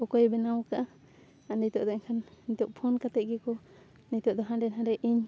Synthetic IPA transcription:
ɔkɔjbɛnawkaʔa | anit̪ɔʔd̪ɔɲkʰanit̪ɔʔpʰɔnkat̪ɛʔ̚ɡɛkɔ | nit̪ɔʔd̪ɔɦãɖɛnɦãɖɛʔiɲ

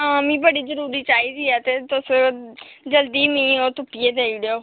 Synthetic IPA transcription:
ɦãːmĩːbəɽiːzəɾuːɾiːt͡ʃaːiːziːɛːt̪eːt̪ʊs | d͡ʒəld̪iːmĩːoːt̪ʊpːijeːd̪eːiːɽeoː

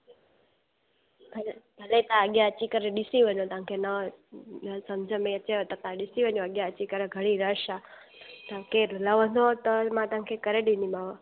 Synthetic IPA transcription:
bʱlbʱəlet̪ãəɠjãət͡ʃikəɾeɗɪsiʋəɲõt̪ʋ̤ãkʰeːnənsəmd͡ʒʱəmẽət͡ʃeot̪ət̪ãɗɪsiʋəɲjoəɠjãət͡ʃikəɾeɡʱəɽ̃iɾəʃa | t̪əkeːɾʱlaʋə̃nd̪ot̪əmãt̪ɐãkʰekəɾeɗĩnimaʋo

